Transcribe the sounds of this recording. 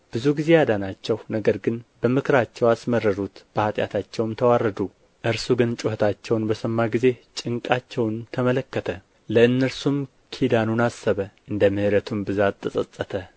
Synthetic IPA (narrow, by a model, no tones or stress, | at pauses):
b̥ɨzuɡize̞jad̪anat͡ʃːɛwnəɡəɾɡɨnbəmɨkʰɨɾat͡ʃːɛwasmərːəɾut̪b̥əhat̪ʼja̰t̪ʰat͡ʃːɛwmt̪ʰəwarːəd̪u | ʔɨɾsuɡɨnt͡ʃʼuhət̪ʰat͡ʃːɛwnbəsəmːaɡize̞t͡ʃʼɨŋkʼat͡ʃːɛwnt̪ʰəmələkːət̪ʰə | ləɨnːəɾsum | kʰid̪anunasːəβəʔɨnd̪əmɨhɨɾət̪ʰumbɨzat̪ːəsʼəsʼːət̪ʰə